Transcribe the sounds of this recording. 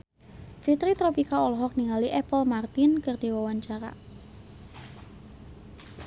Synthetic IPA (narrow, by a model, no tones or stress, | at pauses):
fit̪ɾit̪ɾopikaɔlɔɦɔk̚niŋaliʔɛpəlmart̪ɪnkɨrdiwawaɲt͡ʃaɾa̰